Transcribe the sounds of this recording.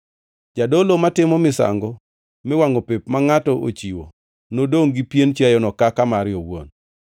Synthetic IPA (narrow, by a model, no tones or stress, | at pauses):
d͡ʒadolomatɪmɔmɪsa̰ŋɡɔ | mɪwaŋɔpepmaŋatɔʔo̰t͡ʃiwo̰ | nodoŋɡipjent͡ʃajɔnɔkakamaɾɪjowo̰n